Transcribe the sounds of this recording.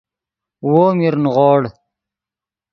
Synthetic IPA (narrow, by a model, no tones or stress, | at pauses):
woːmiɾnʁoːɽ